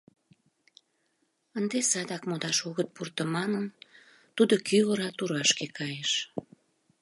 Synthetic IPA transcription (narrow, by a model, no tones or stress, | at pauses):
ənd̪esɑd̪ɑkmod̪ɑʃoɣət̪̚purt̪əmɑnən | t̪ud̪okyoɾɑt̪uɾɑʃkekʰɑjeʃ